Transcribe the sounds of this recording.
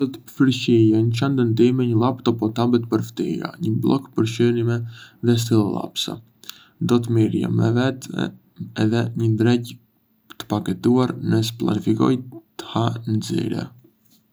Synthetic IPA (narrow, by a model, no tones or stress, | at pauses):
d̪ɔt̪əfəɾʃijanət͡ʃand̪ənd̪imɛɲəlˠapt̪ɔpɔt̪abət̪pəɾft̪ḭɾa̰ɲəblˠɔ̰kpəɾʃənimɛðɛs̬t̪ilˠlˠa̰psa̰ | d̪ɔt̪̬miɾja̰mɛvɛt̪ | ɛðɛɲənd̪ɾɛc | t̪ə̥pakɛt̪uaɾnəsə̥plˠa̰nifikɔ̰jt̪ə̥hanzḭɾɛ̰